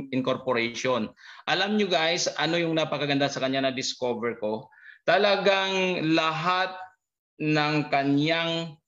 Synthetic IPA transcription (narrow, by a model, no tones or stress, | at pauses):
ɪŋkoɾpoɾɛʃonʔɐlamɲʊɡajsʔɐno̞jʊŋnɐpɐkɐɡɐnd̪asɐkɐɲjanɐd̪ɪskovɛɹko̞t̪ɐlɐɡaŋlɐɦat̪̚ | nɐŋkɐnjaŋ